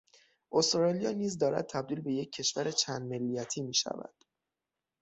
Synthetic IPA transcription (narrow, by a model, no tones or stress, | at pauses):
ʔost̪ɾɒːlijɒːniːzd̪ɒːɾæ̰d̪̥̚t̪ʰæb̚d̪iːlbe̞je̞cʰːe̞ʃvæɾet͡ʃʰæːnd̪melːijæt̪ʰiːmiːʃæ̰væ̰d̪̥